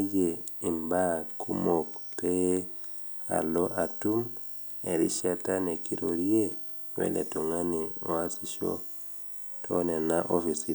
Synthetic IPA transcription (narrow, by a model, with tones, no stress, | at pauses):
d͡ʒei˨mbaku˦mokpe | a̰˨lo˦ʔa˨tum | e˨ɾi˦ʃa˦ta˦ne˨ki˦ɾo˨ɾie˦ | wɛ̰˦lɛ̰˨to˨ŋa˦nio˨a˦si˨ʃo̰˦ | tʰonɛ˨naʔo˦fi˨si